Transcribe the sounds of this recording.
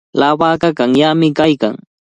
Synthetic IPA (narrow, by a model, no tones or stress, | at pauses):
lawaːkakaŋjamɪkajka̰ŋ